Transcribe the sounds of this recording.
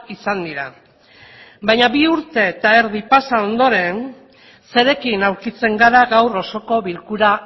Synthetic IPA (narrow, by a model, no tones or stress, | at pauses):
isand̪iɾa | bajɲaβiuɾt̪e̞ːt̪aeɾðipasao̞nd̪o̞ɾe̞n | se̞ɾe̞kinawɾkit͡se̞ŋɡaɾaɣawro̞so̞ko̞βilkuɾa